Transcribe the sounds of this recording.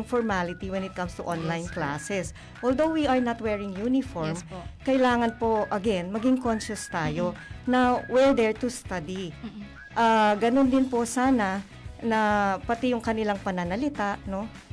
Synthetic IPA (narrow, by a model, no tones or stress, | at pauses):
jʊŋfɔɹmalɪt̪iwɛnɪt̪̚kɐ̃mst̪uʔõnlajnkla̰sɛs | ʔoːld̪owwiɐɹnɐt̪̚wɛɹɪŋjunɪfoɹmkɐɪlaːŋɐnpo̞ʔɐɡɛnmɐɡɪŋkonʃʊst̪aːjo̞nɐwɛɹd̪ɛɹt̪ʊst̪ad̪i | ʔaɡɐnond̪ɪnpo̞saːnɐ | nɐpɐt̪ɛjʊŋkɐnɪlaŋpɐnɐnɐlɪt̪aʔno̞